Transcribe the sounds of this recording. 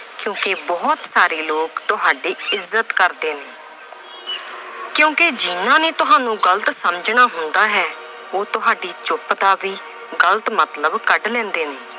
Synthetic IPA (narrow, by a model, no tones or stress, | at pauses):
kjõːkebɔːt̪saːɾeːloːkt̪ʊɦaːɖeːɪzːət̪kəɾd̪eːneː | kjõːked͡ʒɪːnãːneːt̪ʊɦaːnũːɡələt̪səmd͡ʒnaːɦʊnd̪aːɦɛː | oːt̪ʊɦaːɖiːt͡ʃʊpt̪aːʋiː | ɡələt̪mət̪ləbkəɖlɛ̃ːnd̪eːneː